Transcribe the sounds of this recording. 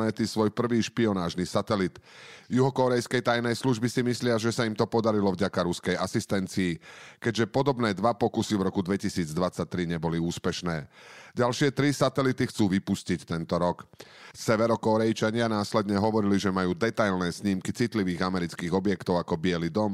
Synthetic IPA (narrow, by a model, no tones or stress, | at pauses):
ɛt̪isʋɔjpr̩ʋiːʃpiɔnaːʒnisat̪ɛlit̪juɦɔkɔɾɛjskɛjt̪ajnɛjsluʒbisimislɪaʒɛsaimt̪ɔpɔd̪aɾilɔvɟakaɾuskɛjasist̪ɛnt͡siːkɛɟʒɛpɔd̪ɔbnɛːd̪ʋapɔkusivɾɔkud̪ʋɛcisiːd͡zd̪ʋat͡sac̚t̪ɾiɲɛbɔliuːspɛʃnɛːɟalʃɪɛt̪ɾisat̪ɛlit̪ixt͡suːʋipuscict̪ɛnt̪ɔɾɔksɛʋɛɾɔkɔɾɛjt͡ʃaɲɪanaːslɛd̪ɲɛɦɔʋɔɾiliʒɛmajuːd̪ɛt̪ajlnɛːsɲiːmkit͡sit̪liʋiːɣamɛɾit͡skiːɣɔbjɛkt̪ɔʊakɔbɪɛlid̪ɔm